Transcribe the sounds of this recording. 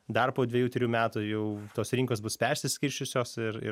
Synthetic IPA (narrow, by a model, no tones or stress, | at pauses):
d̪ɐrpoːd̪ʲʋʲeɛjuːt̪ʲɾʲɪjuːmʲæːt̪ujɛʊt̪oːsɾʲɪŋkoːsbʊspʲɛɾʲsʲɪsʲkʲɪɾʲʃʲt͡ʃʲʊsʲoːsɪɾɪ̰